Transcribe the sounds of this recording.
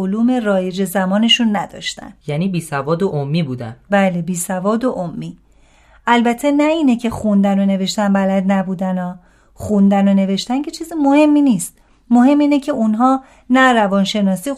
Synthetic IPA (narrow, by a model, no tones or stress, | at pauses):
oluːme̞rɒːje̞d͡ʒe̞zæmɒːne̞ʃunːæd̪ɒ̰ːʃt̪æ̰njæːniːbiːsævɒːd̪oʔomːiːbuːd̪æ̰nbæːle̞biːsævɒːd̪oʔomːiː | ʔælbæt̪ʰːenæiːne̞cʰe̞xund̪æno̞ne̞ve̞ʃt̪ænbælæd̪næbuːd̪ænɒː | xund̪æno̞ne̞ve̞ʃt̪ænce̞t͡ʃʰiːzimo̞he̞mːiːniːst̪̚ | mohe̞mːiːnecʰe̞unɦɒː | næɾævɒːnʃe̞nɒːsiː